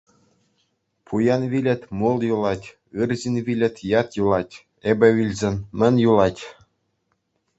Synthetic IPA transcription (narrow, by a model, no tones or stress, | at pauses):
pʰujɑnʋʲilʲɘ̆t̪ʲmulˠjulˠɑtʲ | ɯrʑinʲʋʲilʲɘ̆t̪ʲjɑt̪julˠɑtʲ | ebʲɘ̆ʋʲilʲzʲenʲmʲɘ̆nʲjulˠɑtʲ